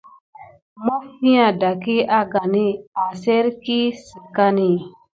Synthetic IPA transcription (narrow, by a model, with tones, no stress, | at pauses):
mɔ˦fi˦ã˨da˨ki˦a˦ɡa˨ni˦a˨se˦ɾki˦si˨ka˦ni˦˨